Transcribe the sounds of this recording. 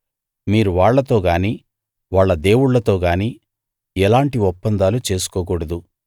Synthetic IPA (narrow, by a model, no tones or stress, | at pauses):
miːɾuʋaːɭːɐt̪o̞ːɡaːniː | ʋaːɭːɐd̪e̞ːwuɽlːɐt̪o̞ːɡaːniː | ɛlaːɳʈiɔpːɐnd̪aːlut͡ʃe̞ːsu̥kɔːk̬uːɽɐd̪u